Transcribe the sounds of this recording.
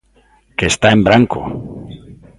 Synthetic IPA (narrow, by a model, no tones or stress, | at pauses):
kest̪aembɾaŋko̰